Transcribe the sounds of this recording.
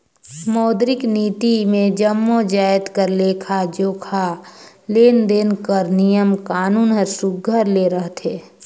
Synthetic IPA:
mɔːd̪ɾɪkniːt̪imẽd͡ʒəmːod͡ʒaːjt̪kəɾleːkʰad͡ʒoːkʰa | leːnd̪eːnkəɾnijəmkaːnuːnɦəɾsʊɡɡʱəɾleɾəɦt̪ʰeː

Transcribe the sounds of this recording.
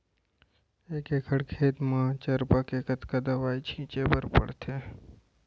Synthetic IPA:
eːkeːkʰəɽkʰeːt̪mãt͡ʃəɾpakekət̪kad̪ɐʋaːit͡ʃʰĩːt͡ʃepəɾpə̰ɽt̪ʰe

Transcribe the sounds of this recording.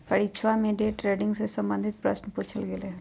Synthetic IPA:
kəɽit͡ʃʰʋamẽɖeːʈɾeːɖɪ̃ŋɡsesə̃mbə̃nd̪ʱɪt̪̚pɾəsnpuːt͡ʃʰəlɡeleː

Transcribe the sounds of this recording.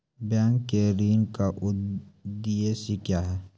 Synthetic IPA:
bjãːŋkːeɾiːnkaʔʊd̪ijesikjaːɦɛ

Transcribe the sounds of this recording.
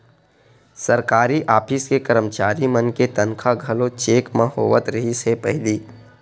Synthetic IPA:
sɐɾkaːɾiʔaːpʰɪskekəɾəmt͡ʃaːɾimənket̪ɐnkʰaɡʱɐlõt͡ʃeːkmãhoːʋət̪ɾɐɦisepɐɦliː

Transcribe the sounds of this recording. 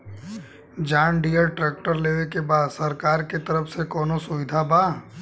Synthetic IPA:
d͡ʒaːɳɖijəɾʈɾɛːk̚ʈəɾleːʋekebaːd̪sɐɾkaːɾket̪ɐɾəfʰsekɔːnosʊʋɪd̪ʱabaː

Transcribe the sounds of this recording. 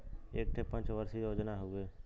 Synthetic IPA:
eːk̚ʈ̪ʰepɐ̃ɲt͡ʃʋəɾsijoːd͡ʒnaɦoɡeː

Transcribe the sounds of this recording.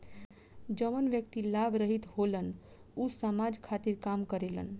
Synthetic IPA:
d͡ʒəmənʋjək̚t̪ilabɾəɦit̪holən | usəmad͡ʒkʰat̪iɾkamkəɾelə̰n

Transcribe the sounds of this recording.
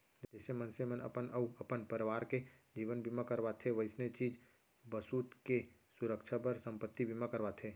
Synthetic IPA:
d͡ʒɛːsemənsemənə̰pənəuəpənpəɾʋaːɾked͡ʒiːʋənbʱimãkəɾbat̪ʰeʋəɪsnet͡ʃiːd͡ʒ | bəsuːt̪ke | sʊɾəkʃʰapəɾsə̃mpət̪ːibʱimakəɾbat̪ʰe

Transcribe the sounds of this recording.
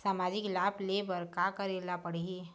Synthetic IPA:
saːmaːd͡ʒɪklaːblebəɾkakəɾelapəɽ̤ie

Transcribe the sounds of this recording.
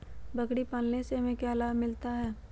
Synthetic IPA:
bɐkɽipaːlneseɦɐmẽkɛːlaːmɪlt̪aɦɛː

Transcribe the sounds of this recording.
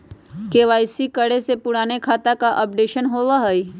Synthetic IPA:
keːʋaːɪsikəɽesepʊɽaːnekʰaːt̪akaʔɔp̚ɖeːʃənɦoːʋaɦoi

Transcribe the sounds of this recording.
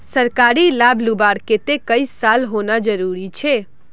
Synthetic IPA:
səɾkaɾilabʱlubaɾket̪ekəisalɦonad͡ʒəɾuɾit͡ʃʰe

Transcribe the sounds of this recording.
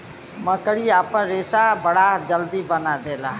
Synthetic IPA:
məkəɽiaːpənɾeːsabəɽad͡ʒəld̪ibənad̪eːlaː

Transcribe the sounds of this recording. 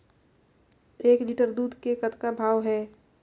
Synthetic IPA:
eːkliːʈəɾd̪uːd̪ʱkekət̪kabʱaːʋɦɛː

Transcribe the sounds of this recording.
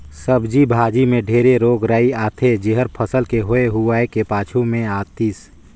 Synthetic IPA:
səbd͡ʒibʱaːd͡ʒimẽɖʱeːɾeɾoːɡɾaːiaːt̪ʰed͡ʒeɦəɾpʰəsəlkeɦoːeɦuaːekepaːt͡ʃʰumẽaːt̪iːs

